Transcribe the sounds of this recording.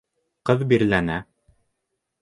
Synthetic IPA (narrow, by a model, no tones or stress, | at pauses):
qɤðbiɾlænæ